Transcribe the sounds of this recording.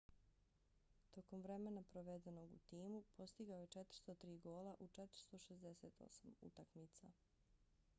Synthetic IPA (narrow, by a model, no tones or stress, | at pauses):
t̪o̞ko̞mʋɾe̞menapɾoʋed̪e̞no̞ɡṵt̪iːmupʰo̞st̪iɡaoje̞t͡ʃet̪ɾ̥̩st̪ot̪ɾiːɡo̞ːlaʔut͡ʃet̪ɾ̥̩st̪o̞ʃezd̪e̞seːt̪o̞̰samṵt̪akmit̪sa